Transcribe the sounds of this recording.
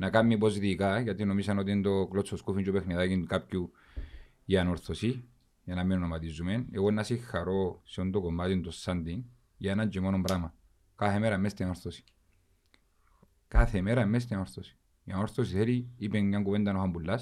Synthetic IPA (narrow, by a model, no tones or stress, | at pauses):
nakamːipozit̪ikajat̪inomisanot̪̬ind̪oklot͡sːoskufint͡ʃd͡ʒopexniðakinkap̚cu | janoɾθosi | janamenunomat̪izumeneɣonːasixːaɾosiond̪okomat̪ind̪osːand̪in | janand͡ʒimonombɾama | kaθemeɾamːest̪inoɾθosi̥ | kaθemeɾamːes̬t̪inoɾθosi̥ | janoɾθosiθeɾiipenjaŋɡuʋend̪anoxambulːas